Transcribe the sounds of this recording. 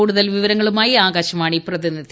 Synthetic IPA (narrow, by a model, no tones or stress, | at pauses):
uːɽuðɐlʋiʋɐɾɐŋːɐɭumaːjiaːɡaːɕɐmaːɳiprɐðinːɐð